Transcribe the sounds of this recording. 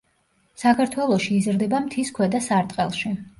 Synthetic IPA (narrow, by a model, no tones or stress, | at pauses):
sakʰaɾt̪ʰwɛlˠɔʃiːzɾd̪ɛbamt̪ʰiskʰwɛd̪asaɾt̪ʼqʼɛlˠʃi